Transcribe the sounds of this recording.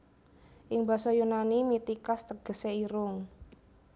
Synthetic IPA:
ʔɪŋbasɔjunanimit̪ikast̪əɡ̥ə̤seiɾʊŋ

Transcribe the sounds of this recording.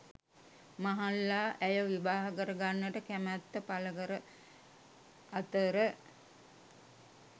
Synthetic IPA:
maɦalːaːʔæjəʋiʋaːɦəkəɾəɡanːəʈəkæmæt̪ːəpaləkəɾə | at̪əɾə

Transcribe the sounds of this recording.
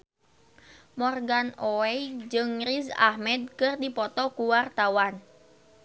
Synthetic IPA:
mɔrɡanɔɛjd͡ʒɨŋrisa̰hmɛd̪̚kɨrdipɔt̪ɔkuwart̪awan

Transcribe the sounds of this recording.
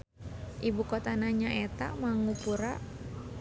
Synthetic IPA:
ʔibukɔt̪anaɲaʔɛt̪a̰maŋupuɾa

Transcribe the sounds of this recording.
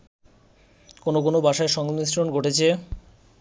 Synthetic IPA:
konok̬onobʱaʃaeʃɔŋmisɾonɡʱoʈet͡ɕʰe

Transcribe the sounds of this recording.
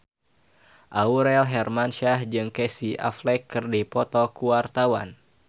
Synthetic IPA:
ʔauɾɛlɦɛrmanʃahd͡ʒɨŋkɛsiʔa̰flɛkːɨrdipɔt̪ɔkuwart̪awa̰n

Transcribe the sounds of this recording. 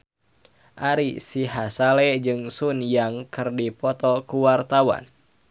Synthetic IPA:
ʔaɾisiɦasalɛd͡ʒɨŋsunjaŋkɨrdipɔt̪ɔkuwart̪awa̰n

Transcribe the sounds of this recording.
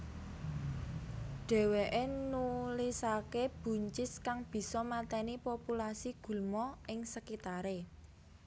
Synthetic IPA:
ɖ̥ɛ̤weʔenulisakeb̥ṳɲt͡ʃɪskaŋb̥i̤sɔmat̪ɛnipopulasiɡ̥ṳlmɔʔɪŋsəkit̪aɾe

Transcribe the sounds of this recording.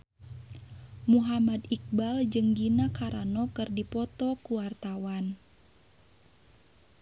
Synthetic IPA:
muɦamadik̚bald͡ʒɨŋɡinakaɾa̰nɔkɨrdipɔt̪ɔkuwart̪awan

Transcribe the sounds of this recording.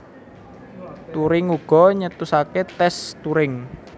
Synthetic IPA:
t̪uɾɪŋuɡ̥ɔ̤ɲət̪usaket̪ɛst̪uɾɪŋ

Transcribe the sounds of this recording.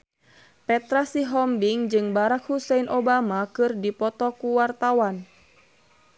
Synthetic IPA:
pɛt̪ɾasiɦɔmbiŋd͡ʒɨŋbaɾakhusɛinʔɔbamakɨrdipɔt̪ɔkuwart̪awan

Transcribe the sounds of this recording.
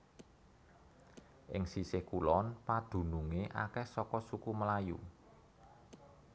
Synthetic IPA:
ʔɪ̰ŋsisehkulɔnpad̪̥ṳnuŋeʔa̰kɛhsɔkɔsukuməlajṵ

